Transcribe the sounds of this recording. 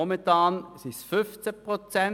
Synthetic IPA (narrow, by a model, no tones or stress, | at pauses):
ɔmənt̪ɑːnsɪsfʏft͡səpʁot͡sɛn